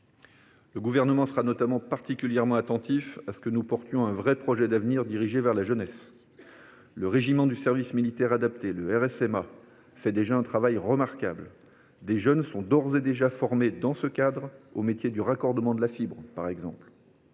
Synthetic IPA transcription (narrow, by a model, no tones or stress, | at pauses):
ləɡuvɛʁnəmɑ̃səʁanɔt̪amɑ̃paʁt̪ikʲyljɛʁmɑ̃at̪ɑ̃t̪ifasə̥kənupɔʁt̪jɔ̃ɛ̃vʁɛpχɔʒɛd̪avniʁd̪iʁiʒevɛʁlaʒənɛs | ləʁeʒimɑ̃d̪ysɛʁvismilit̪ɛʁad̪ap̚t̪eləɛʁɛsɛma | fɛd̪eʒaɛ̃t̪χavajʁəmaʁkabl | d̪eʒənsɔ̃d̪ɔʁzed̪eʒafɔʁmed̪ɑ̃səkad̪ʁo̰met̪jed̪yʁakɔʁd̪əmɑ̃d̪əlafibʁpaʁɛɡzɑ̰̃pl